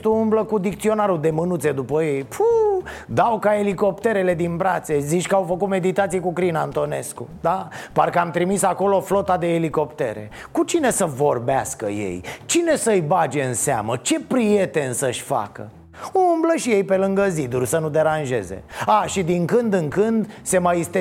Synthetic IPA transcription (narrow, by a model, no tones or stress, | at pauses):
t̪uumbləkud̪ik̚t̪sio̞naɾud̪e̞mɨnut̪se̞d̪upəje̞jpʰud̪awkae̞liko̞p̚t̪e̞ɾe̞le̞d̪inpɾat̪sezit͡ʃkəawfəkut̪me̞d̪it̪at̪sijekukɾinant̪o̞ne̞̰skṵd̪aparkəamt̪ɾimisako̞lo̞flo̞t̪ad̪e̞ːliko̞pt̪e̞̰ɾe̞̰ | kut͡ʃine̞səvo̞rba̰skə̰jḛjt͡ʃine̞səɨjbad͡ʒe̞ɨnsea̰mət͡ʃe̞pɾije̞t̪e̞nsəʃʲfa̰kə̰ | umbləʃije̞jpe̞lɨŋɡəzid̪urʲsənud̪e̞ɾanʒe̞̰ze̞̰aʃid̪iŋkɨnd̪ɨŋkɨnd̪se̞majist̪e